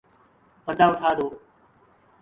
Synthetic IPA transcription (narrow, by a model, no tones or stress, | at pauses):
pəd̪ʱãːʊʈʰaːd̪oː